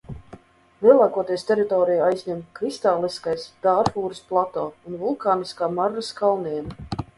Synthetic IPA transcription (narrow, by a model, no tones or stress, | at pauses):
vʲiɛlˠaːkuɔt̪iɛjst̪ʲɛɾit̪ɔːɾijajzʲɲʲɛmkɾist̪aːlˠiskajsd̪̥aːɾfuːɾɨsplˠat̪oːunvulˠkaːniskaːmaɾːaskalˠniɛnɐ